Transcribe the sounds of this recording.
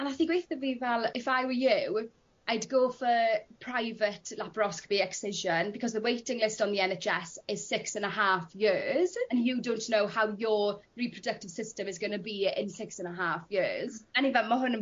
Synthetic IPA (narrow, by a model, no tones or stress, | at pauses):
ənaθiɡwejθəvivɛlˠɪfaɪwəjʉw | aɪdɡoːfəpʰɹ̥aɪvətʰlapɹɔskb̥iɛksɪʒə̃nbɪkʰɒzðəweɪtɪ̃ŋlɪstnðiɛnet͡ʃɛsɪz̥sɪksə̃nəɦaˑfjɪz̥ə̃njədõʊ̃nʔnowhawjəɹipʰɹ̥ɔədək̚tɪv̥sɪstə̃mɪzɡənəbiɪ̰̃nsɪksə̃nəɦaːˑfjɪːz̥ɛnivɛlˠməɦʊnə